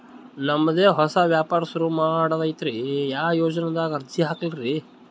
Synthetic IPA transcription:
nɐmːɐd̪eːɦɔsɐʋjaːpaːɾɐsɐɾumaːɽɐʋɐjit̪ɾijaːjoːd͡ʒɐnɐd̪aːɡɐɾd̪ʱiɦaːkɐliɾi

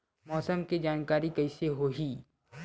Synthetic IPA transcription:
mɔːsəmkid͡ʒaːnkaːɾikɐɪseɦoːɦiː

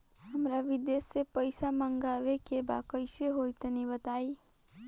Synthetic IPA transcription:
ɦəmɾaʋid̪esːepəɪsaməŋɡawekeba̰kəɪseɦojt̪ənibət̪ai

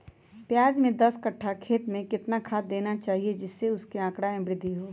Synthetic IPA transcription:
pjaːd͡ʒmẽd̪ɐskɐʈʰːakʰeːt̪mẽkɪt̪nakʰaːt̪̚d̪eːnat͡ʃaːɦied͡ʒɪsːeʊskeãːkɽaɪ̃bɾɪd̪ʱːiɦoː

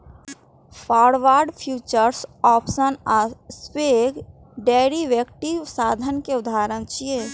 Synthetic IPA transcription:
pʰaːɾʋaːɾɖpʰjuːt͡ʃəɾsɔːpsənaspeːɡ | ɖeːɾiʋjəkʈisaːd̪ʱənkeʊd̪ʱaːɾənt͡ʃie

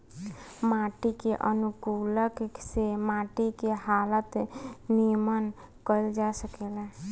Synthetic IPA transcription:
maʈikeʔənukuləksemaʈikehalət̪nijmən | kəjld͡ʒasəkelɛ̃

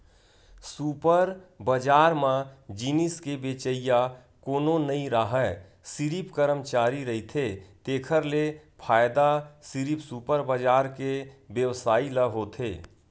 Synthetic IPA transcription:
supəɾbəd͡ʒaːɾmãd͡ʒinɪskebeːt͡ʃəija | koːnonəĩɾaɦɛ | sɪɾipkəɾəmt͡ʃaːɾiɾəɦit̪ʰet̪eːkʰəɾlepʰaːjd̪asɪɾipsuːpəɾbəd͡ʒaːɾkebjəwsaːiləɦot̪ʰeː

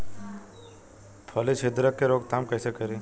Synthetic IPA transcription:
pʰɔlisʰɪd̪ɾəkːeɾoːɡt̪aːmkɛːsekəɾi

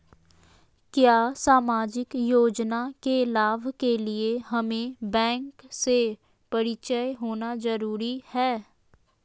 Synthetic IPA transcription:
kjaːsaːmaːd͡ʒɪkjoːd͡ʒnakelaːʋkelieɦɐmẽbɛ̃ːŋkse | pɐɾɪt͡ʃəjɦoːnazɐɾuːɾihɛː

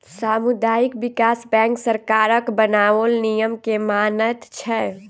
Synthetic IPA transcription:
saːmʊd̪aːjɪkʋɪkaːsbɛ̃ːŋksəɾkaːɾəkbənaːolnijəmkemaːnət̪t͡ʃʰɛ

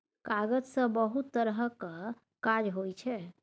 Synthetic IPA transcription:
kaɡəd͡ʒsə̃bəɦut̪ːəɾɦəkə | kad͡ʒɦojt͡ʃʰɛ

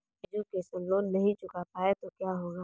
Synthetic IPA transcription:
d͡ʒoːkesənloːnɐɦĩt͡ʃʊkapaːet̪okjaɦoːɡaː

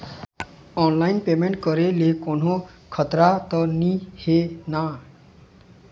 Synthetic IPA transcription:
ɔnlainpemeɳʈ̚kʌɾelekono | kʰʌt̪ɾat̪ʌnihena

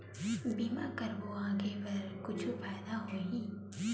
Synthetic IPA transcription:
biːma̰kɐɾboãːɡepɐɾkʊt͡ʃʰupaːd̪aɦoĩː

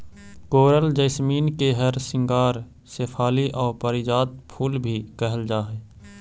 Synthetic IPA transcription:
koːɾəld͡ʒəɪsmiːnkeɦəɾsɪ̃ŋɡaːɾ | seːpʰaːliʔɔːɾpəɾɪd͡ʒaːd̪̚pʰuːlbʱikɛɦəld͡ʒaːɦɛː

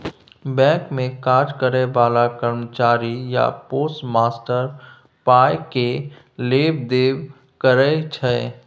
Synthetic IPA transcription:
bɛ̃ːkmẽkaːd͡ʒkəɾebaːlakəɾmət͡ʃaːɾija̰poːsʈmaːsʈəɾ | paːeke | leːbd̪eːw | kəɾɛt͡ʃʰɛ

